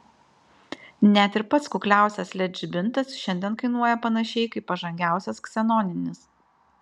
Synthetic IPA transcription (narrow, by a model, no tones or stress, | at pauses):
nʲæt̪ʲɪɾpɐt̪skʊklʲæˑʊsʲɛslʲɛd͡ʒʲɪbʲɪnt̪ɐsʃʲɛnʲd̪ʲiɛnkɐɪnuɔjɛpɐnɐʃʲɛɪkɐɪpːɐʒɐŋʲɡʲæˑʊsʲɛsksʲɛnɔnʲɪnʲɪs